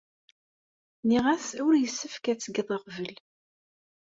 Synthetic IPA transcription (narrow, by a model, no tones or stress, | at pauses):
niʁæsʊɾjəsːəfkæt͡sːəɡðˤɑqvəl